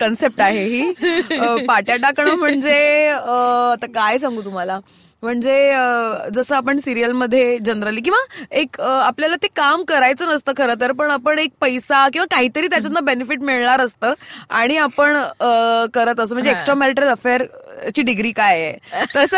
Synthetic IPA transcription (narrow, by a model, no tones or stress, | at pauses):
kənsep̚ʈaɦeɦiː | paʈjaʈakəɳ̃əm̤əɳd͡zeəat̪akajes̬ãŋɡuːt̪um̤ala | m̤əɳd͡zeəd͡zəsəːapəɳsiɾijəlməd̪ʱːjed͡ʑənɾəliːk̬ĩʋaekapljalat̪ekamkəɾajt͡səːnəst̪əːkʰəɾət̪̬əɾpəɳapəɳek̚pəjsakĩw̃ʋakaɦiːt̪əɾiːt̪jat͡ɕanːabenefiʈmiɭɳaɾəst̪əːaɽ̃iapəɳəkəɾət̪əsəːm̤əɳd͡zeksʈɾameɾiʈəɾələfeəɾt͡ɕiːɖiɡɾiːkajḛt̪əsə